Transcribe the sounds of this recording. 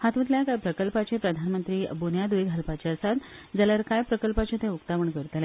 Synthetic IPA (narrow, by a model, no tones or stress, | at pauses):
hat̪ʋət̪ljakajpɾəkəlpat͡ɕẽpɾəd̪ʱanmənt̪ɾiːbonjad̪uʋiɡɦəlpat͡ɕeəsat̪d͡zaləɾkajpɾəkəlpat͡ɕẽt̪ẽukt̪aʋəɳkəɾt̪le